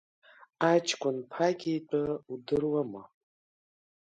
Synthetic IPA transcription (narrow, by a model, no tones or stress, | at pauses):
at͡ʃʰʼkʷʰʼʊnpʰaɡʲijt͡pʷʼaudɨrwamɨ